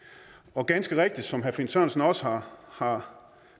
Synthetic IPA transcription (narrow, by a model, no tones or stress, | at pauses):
ɒ̽ɡ̥ænsɡ̥əʁeɡ̥̚d̥id̥sɒ̽mɦæɐfensøɐn̩sn̩ɒ̽səhɑ̈hɑ̈